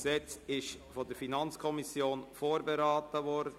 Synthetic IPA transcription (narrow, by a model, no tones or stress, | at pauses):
sɛt͡sɪʃfodəɾfinɑnt͡skʰɔmisjoːnfoːɾbeɾaːtəʋɔɾdə